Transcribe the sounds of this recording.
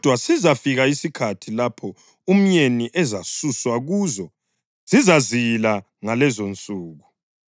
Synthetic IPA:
d̥ʱwasizafiɣaisikʰatʰilapʰɔ | um̩ɲeniʔɛzasuswaɣuːzɔ | z̥izazijla | ŋalɛzont͡sʼuːɣu

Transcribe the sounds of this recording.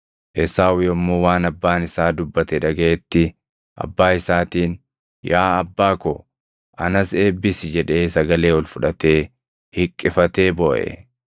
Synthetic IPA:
ʔɛsaːwɪjɔmːoːwaːnɐbːaːnɪsaːd̪ʊbːɐt̪ɛᶑɐɡɐɛt̪ːɪ | ʔɐ̰bːaːɪsaːt̪iːn | jaːɐbːaːkɔ | ʔɐnɐse̞ːbːɪsɪd͡ʒɛᶑe̞ːsɐɡɐle̞ːwɔlfʊᶑɐt̪e̞ː | hɪkʼːɪfɐt̪e̞ːbɔːʔɛ̰

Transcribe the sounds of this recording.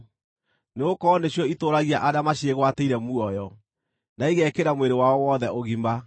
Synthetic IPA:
neokɔneɕjɔitoɾaɣiaʔadamaɕeɣwateiɾɛmuɔjɔ | naiɣɛkeɾamweɾewaɔwɔðɛoɣimba

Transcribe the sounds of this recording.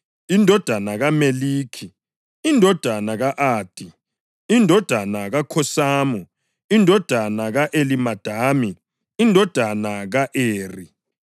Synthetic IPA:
indʱɔd̥ʱanaɣameliːkʰi | indʱɔd̥ʱanaɣaʔaːd̥ʱi | indʱɔd̥ʱanaɣakʰɔsaːmu | indʱɔd̥ʱanaɣaʔelimad̥ʱaːmi | indʱɔd̥ʱanaɣaʔeːri

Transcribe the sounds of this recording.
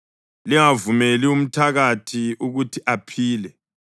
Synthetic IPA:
liŋavumelium̩tʰaɣatʰiuɣutʰiʔapʰiːlɛ

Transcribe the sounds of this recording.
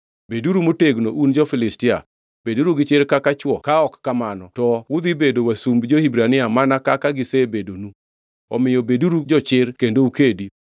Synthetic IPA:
beduɾumoteɡnoʔund͡ʒɔfɪlɪstɪa | b̥eduɾuɡɪt͡ʃɪɾkakat͡ʃwɔkaɔkːamanɔtɔwʊd̪ibedowasumbd͡ʒohibɾanɪamanakakaɡɪsebedonu | ɔmɪjobeduɾud͡ʒɔt͡ʃɪɾkendoukedi

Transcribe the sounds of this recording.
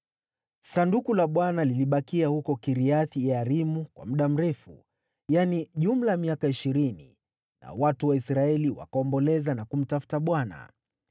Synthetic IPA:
sandukulaɓwanaliliɓakiahukɔkiɾiaθiaɾimukwa̰m̩ɗam̩ɾɛfu | janiʄum̩lamiakaiʃiɾinḭ | na̰watuwaisɾaɛliwa̰kaɔmbɔlɛzanakum̩tafu̥taɓwana̰

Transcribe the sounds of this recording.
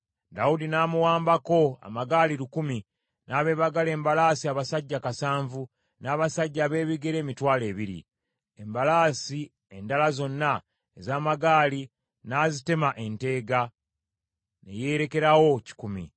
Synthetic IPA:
dawudinaːmuwaːmbako̞a̰maɡaːliɾukumi | nʔaːβe̞ːβaɡale̞ːmbalaːsiaβasaɟːakasaːɱvu | naːβasaɟːaːβe̞ːβiɡe̞ɾe̞ːmitwaːle̞ːβiɾḭ | embalaːsi | e̞ndalazo̞nːa | ezaːmaɡaːli | naːzite̞maʔe̞nte̞ːɡa | ne̞̰je̞ːɾe̞ke̞ɾawo̞ci̥kumḭ

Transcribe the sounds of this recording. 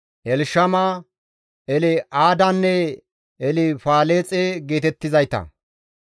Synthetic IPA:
ʔɛlʃɐma | ɛlɛʔaːd̪ɐnːɛ | ɛlɪfaːleːt͡sʼeɡe̞ːt̪ɛt̪ːɪzɐjt̪ɐ̰

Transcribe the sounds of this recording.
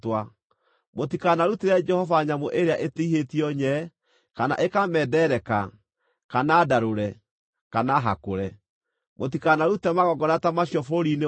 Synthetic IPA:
twa | mot̬ikanaɾuteɾɛd͡ʒɛhɔvaɲamoʔeɾeaʔeteiɦetiɔɲɛː | kana̰ʔekamɛdɛɾɛka | kanadaɾoɾɛ | kanaɦa̰koɾɛ | mot̬ikanaɾutɛmaɣɔɡɔnatamaɕjɔfoɾine

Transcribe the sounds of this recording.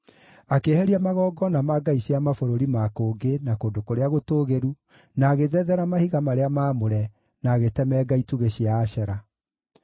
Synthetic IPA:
akehɛɾiamaɣɔːɡɔnamaɡaiɕiamafoɾoɾimakoːŋɡenakoːndokoɾeaɣotoːɣeɾu | naːɣeðɛðɛɾamahiɣamaɾeamaːmoɾɛ | naɣetɛmɛɡaituɣeɕiaːɕɛɾa

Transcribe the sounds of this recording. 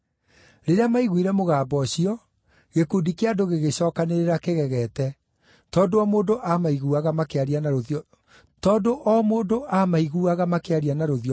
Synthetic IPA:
ɾeɾeamaiɣwiɾɛmoɣaːbɔɕiɔ | ɣekudikeadoɣeɣeɕɔːkaneɾeɾakeɣɛɣɛtɛ | tɔːndoɔmoːndoʔamaiɣuaɣamakeaɾianaɾoj | tɔːndoʔɔmoːndoʔamaiɣuaɣamakeaɾianaɾoðjɔ

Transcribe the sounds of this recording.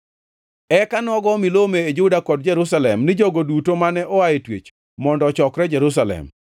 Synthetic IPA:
ɛkanɔɡɔmilomeːd͡ʒudakɔd̚d͡ʒɛɾusalɛmnɪd͡ʒɔɡodutomanɛʔɔaetwḛt͡ʃ | mɔndɔt͡ʃɔkɾɛd͡ʒɛɾus̬alɛ̰m

